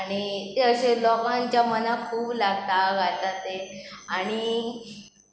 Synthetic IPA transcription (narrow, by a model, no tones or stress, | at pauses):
aɽ̃it̪eəɕelɔkãɲt͡ɕjamənakʰuːblaɡt̪aɡʱat̪at̪eaɽ̃i